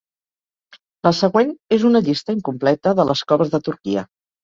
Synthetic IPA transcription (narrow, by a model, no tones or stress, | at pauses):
ləsəɣwenezunəʎist̪əiŋkumplɛt̪əðələskɔβəzðət̪uɾkiə